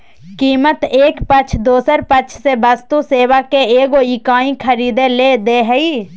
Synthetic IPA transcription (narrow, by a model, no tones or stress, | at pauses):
kiːmət̪eːkpət͡ʃʰd̪oːsəɾpət͡ʃʰsebast̪useːwakeeːɡoikaːĩkʰəɾiːd̪eled̪eɦɛi